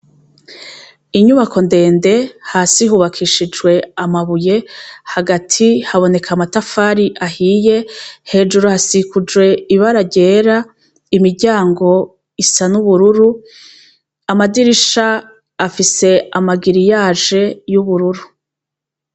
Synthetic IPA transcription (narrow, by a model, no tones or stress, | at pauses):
iɲuβakʰo̞nde̞ːnde̞haːsiɦuβakʰiʃid͡ʒɡwe̞amaβuje̞haɡatʰihaβo̞ne̞kʰamatafaːɾiʔahiːje̞he̞ːd͡ʒuɾohasikud͡ʒwe̞iβaɾaɟe̞ːɾa | imiɾɟaːŋɡo̞ | isanuβuɾuɾu | amadiɾiʃaː | fise̞amaɡiɾijaːʒe̞juβuɾuɾu